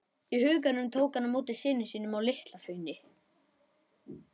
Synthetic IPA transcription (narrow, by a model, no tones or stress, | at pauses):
ihʏːk̬anʏmt̪ʰoːwkanamoːwt̪ɪsɪːnɪsiːnʏmawlɪht̪lafœːɥnɪ